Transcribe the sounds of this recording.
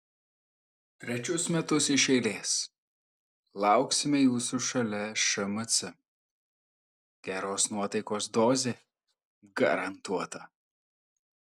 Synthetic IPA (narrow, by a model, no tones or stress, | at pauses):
t̪ʲɾʲɛt͡ʃʲʊsmʲɛt̪ʊsɪʃɛɪlʲeːs | lˠɑˑʊksʲɪmʲɛjuːsuʃɐlʲɛʃɐmɐt̪sʲɪ | ɡ̥ʲæːɾoːsnuɔt̪ɐɪkoːsd̪oːzʲeː | ɡɐ̰ɾɐnt̪uɔt̪ɐ